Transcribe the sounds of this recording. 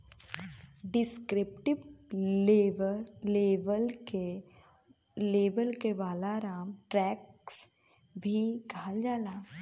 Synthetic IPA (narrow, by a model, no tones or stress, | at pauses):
ɖɪskɾɪpʈɪb | ɾleːʋəlke | leːbəlkeʋaːlaɾaːmʈɾɛːks | bʱiɡʱaːld͡ʒaːlaː